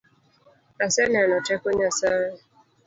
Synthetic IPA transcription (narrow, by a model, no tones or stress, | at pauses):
asɛnɛanɔtɛkɔɲasana